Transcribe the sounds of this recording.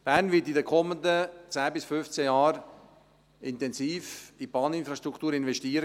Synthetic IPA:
b̥æːɾnvɪtidəkʰɔmːəndət͡sæːbɪsfʏft͡sɛjɑːɾ | ɪntɛnsiːfipɑːnɪnfɾɑʃtɾuktuːɾɪnvɛʃtiːəɾə

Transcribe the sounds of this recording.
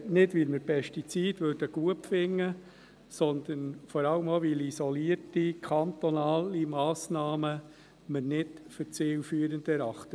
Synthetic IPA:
nɪdʋilməɾpʰɛʃtit͡siːd̥ʋøːɾd̥əɡ̥uəpfɪŋːə | sɔnd̪ənfɔɾɑləmoʋilisɔliətikʰɑnt̪ɔnɑːlimɑːsnɑːmə | məɾnɪtfəɾt͡seːlfyːəɾənd̪ɛɾɑχtə

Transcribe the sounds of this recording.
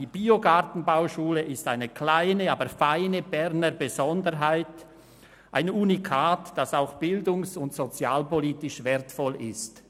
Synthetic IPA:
iːbiːoɡaʁtn̩baʊʃuːləʔɪstaɪnəkʰl̥aɪnəaːbəɾfaɪnəb̥ɛʁnəɾbəzɔndəɾɦaɪt | ʔaɪnuːnikʰaːtd̥asaʊxb̥ɪldʊŋsʊntsot͡sjaːlpɔliːtɪʃvɛɐtfɔlʔɪst

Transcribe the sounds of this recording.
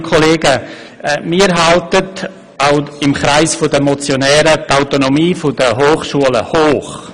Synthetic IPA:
kʰoleːɡə | miːɾɦaltət | aʊɪmχɾaɪsfʊdəmot͡sjonɛːɾətaʊtonomiːfʊdəɦoːχʃuələhoːχ

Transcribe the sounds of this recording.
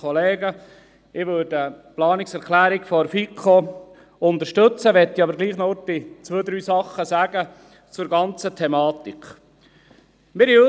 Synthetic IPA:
ɔleːɡə | ɪʋøːɾdəplɑːnɪksɛɾkʰlæːɾikfɔɾfikʰo | ʊnt̪əʃtɵt͡səʋɛt̪ːiɑbəɾɡliːχnɔtit͡sʋøːd̪ɾyːsɑχːəsæːɡ̥ə | t͡sʊɾɡɑnt͡sətʰɛmɑːt̪ik | mɪɾiø

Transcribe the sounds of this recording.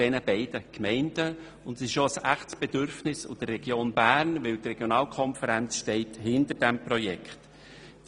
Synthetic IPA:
ɛnəbɛɪd̥əkmɛɪnd̥ə | ʊndsɪʃoəsæχtsb̥ɛdʏɾfnɪsʊ̰d̥ərːɛɡ̥joːnbæːrnʋɪltrɛɡ̥jonɑːlkʰχɔnfəɾænt͡sʃtɛɪthɪndərd̥æmpɾɔjɛkχt

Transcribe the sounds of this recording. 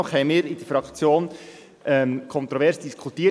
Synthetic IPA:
ɔχhɛɪmiːɾɪd̥əɾfɾɑkt͡sjoːn | ʔɛmkʰɔnt̪ɾɔvɛɾsd̥iskʰutiː

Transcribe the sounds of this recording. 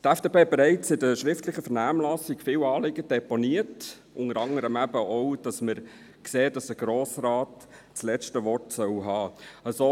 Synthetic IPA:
tæfd̥eːpʰeːbɛɾæɪt͡sɪdəʃɾɪftlɪχəfəɾnæːmlɑsɪɡfɪːwɑːlɪɡəd̥ɛponiət | ʔʊŋəɾɑŋəɾəmæbəʔɔʊd̥ɑsməɾ | kseːd̥ɑsəɡ̥ɾoːsrɑːt | t͡slɛt͡ʃtəʋɔrtsœwɦɑːəsoː

